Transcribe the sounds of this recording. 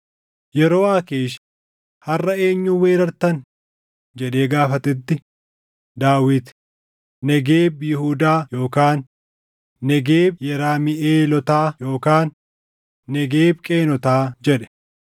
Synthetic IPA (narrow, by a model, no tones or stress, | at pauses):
jɛɾo̞ːaːkeːʃ | hɐrːɐe̞ːɲːuːwe̞ːɾɐɾt̪ɐn | d͡ʒɛᶑe̞ːɡaːfɐt̪ɛt̪ːɪ | d̪aːwɪt̪ | nɛɡeːbjɪhuːd̪aːjo̞ːkaːnː | ɛɡeːbjɛɾaːmɪʔeːlɔt̪aːjo̞ːkaːnː | ɛɡeːbkʼe̞ːnɔt̪aːd͡ʒɛᶑɛ̥